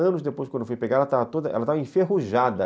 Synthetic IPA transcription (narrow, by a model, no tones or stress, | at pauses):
ɐ̃nʊzd̪epojskwɐ̃nd̪ʊfojpeɡad̪ɐt̪avɐt̪od̪ɐʔɛ̰lɐt̪avɐẽfeɦuʒad̪ɐ